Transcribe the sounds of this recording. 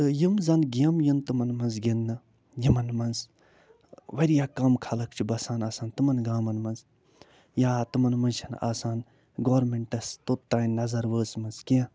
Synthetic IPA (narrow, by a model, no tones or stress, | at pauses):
ɨjimzɐnɡiɐmjint̪ɨmɐnmɐnzɡʲenːɨ | jimɐnmɐnz | ʋɐɾijaːkɐmkʰɐlɐkt͡ʃʰibɐsaːnaːsaːnt̪ɨmɐnɡaːmɐnmɐnz | jaːt̪ɨmɐnmɐnt͡ʃʰɐna̰ːsaːn | ɡoːɾmeɳʈɐst̪ot̪ːaːnnːɐzɐɾʋəːsmɐnzkiɐ̃